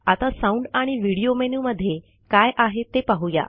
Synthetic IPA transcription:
at̪asaũɳɖaɽ̃iʋiɽijomenuməd̪ʱːje | kajʔaɦet̪epaɦuja̰

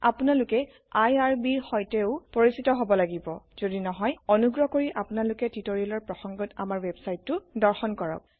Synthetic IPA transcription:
a̰punalʊkɛ | ajaɹbiɹxɔjtɛʊpoɹisitɔɦobɔlaɡibɔz̥odinɔɦɔjɔnuɡɹɔkoɹiʔapʊnalʊkɛtitoɹialɔɹpɹɔxɔŋɡɔta̰maɹwebsajtːʊdɔɹxɔnkɔɹɔ̰k̚

